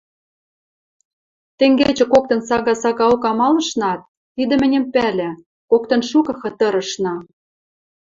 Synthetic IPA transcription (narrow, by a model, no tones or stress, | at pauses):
t̪ĕŋɡet͡ɕĕkok̚t̪ɤ̆nsɑɣɑsɑɣɑokɑmɑlɤ̆ʃnɑt̪̚ːid̪ɘ̆mɘ̆nʲɘ̆mpælʲĕ | kokt̪ɤ̆nʃukɤ̆xɤ̆t̪ɤ̆ɾɤ̆ʃnɑ